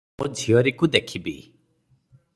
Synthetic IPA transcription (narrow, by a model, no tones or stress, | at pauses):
mod͡ʒʱijɔɾikud̪ekʰibḭ